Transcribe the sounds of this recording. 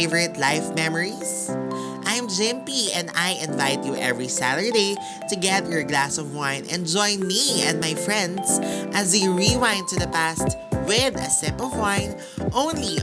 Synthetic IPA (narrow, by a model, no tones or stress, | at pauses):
vəɹɪt̪laɪfmɛməɹis | ʔãjmd͡ʒɪ̃mpiɛ̃nd̪ajʔɪ̃nvaɪt̪̚juʔɛvɹisa̰t̪ə˞d̪eɪ | t̪ʊɡɛt̪jɔɹɡlasɔvwãɪ̃nɛ̰̃nd͡ʒɔ̃ɪ̃nmiɛ̃n̚majfɹɛ̃nd̪sʔɐzdeɹiwãɪ̃nt̪ʊd̪ɐpæst̪wɪðɐ̰sɪ̃pɔvwãɪ̃n | ʔõʊ̃nli